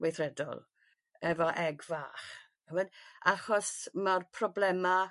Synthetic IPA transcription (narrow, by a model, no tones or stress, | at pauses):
wejθrɛdɔ̰lˠ | ɛvɔʔɛɡvaχ | həmənaχɔsmarpʰrɔblɛma